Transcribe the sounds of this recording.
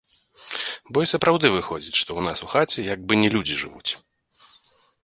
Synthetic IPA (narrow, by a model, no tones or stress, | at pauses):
bɔjsɐpɾawd̪ɨvɨxɔd͡zʲit͡sʲʂt̪ɔwnasuxat͡sʲɛjaɡ̚bɨnʲɛlʲud͡zʲiʐɨ̰vut͡sʲ